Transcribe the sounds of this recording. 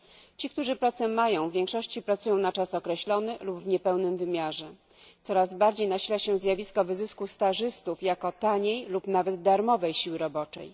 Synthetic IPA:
t͡ɕik̚t̪uʐɘpɾat̪sɛmajɔ̃w̃vʲjɛ̃ŋkʂɔɕt͡ɕipɾat̪sujɔ̃w̃nat͡ʂasɔkɾɛɕlɔnɘlubvɲɛpɛwnɘmvɘmʲjaʐɛ | t̪sɔɾazbaɾd͡ʑejnaɕilaɕɛzʲjavʲiskɔvɘzɘskust̪aʐɘst̪ufjakɔt̪aɲejlupnavɛd̪d̪aɾmɔvɛjɕiwɘɾɔbɔt͡ʂɛ̰j

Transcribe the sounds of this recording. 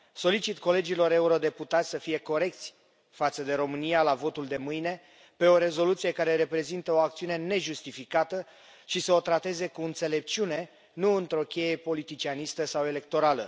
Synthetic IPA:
so̞lit͡ʃit̪ko̞le̞d͡ʒilo̞ɾe̞uɾo̞d̪e̞put̪at̪sʲsəfije̞ko̞ɾe̞k̚t̪sʲ | fat̪səd̪e̞ɾo̞mɨnialavo̞t̪uld̪e̞mɨjne̞ | pe̞o̞ɾe̞zo̞lut̪sije̞kaɾe̞ɾe̞pɾe̞zint̪əo̞akt̪siune̞ne̞ʒust̪ifikat̪ə | ʃisəo̞t̪ɾat̪e̞ze̞kuɨnt̪se̞le̞p̚t͡ʃune̞ | nuɨnt̪ɾo̞kʲe̞je̞po̞lit̪it͡ʃianist̪əsawe̞le̞k̚t̪o̞ɾalə

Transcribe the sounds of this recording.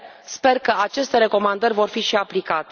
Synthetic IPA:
spe̞rkəat͡ʃe̞st̪e̞ɾe̞ko̞mand̪ərʲvo̞rfiʃiaplikat̪e

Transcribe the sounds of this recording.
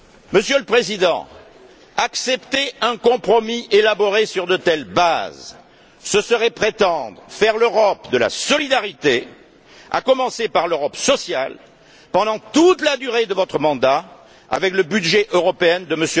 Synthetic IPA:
məsjøləpχezid̪ɑ̰̃ | aksɛpt̪eɛ̃kɔ̃pχɔmiʔelabɔʁesyʁd̪ət̪ɛlbaz | səsəʁɛpχet̪ɑ̃d̪ʁəfɛʁløʁɔpd̪əla̰sɔlid̪aʁit̪e | a̰kɔmɑ̃sepaʁløʁɔpsɔsja̰l | pɑ̃d̪ɑ̃t̪ut̪lad̪yʁed̪əvɔt̪χəmɑ̃d̪a | a̰vɛkləbydʒɛʔøʁɔpeɛnd̪əməsø

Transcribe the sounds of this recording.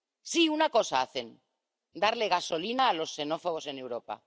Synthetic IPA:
siunako̞saaθe̞n | d̪aɾleɣaso̞linaːlo̞sːe̞no̞foɣ̞o̞se̞ne̞wɾopa̰

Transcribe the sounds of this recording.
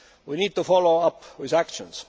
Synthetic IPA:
winiːd̪̚t̪ufɔloʊʌpwɪðækʃə̃ns

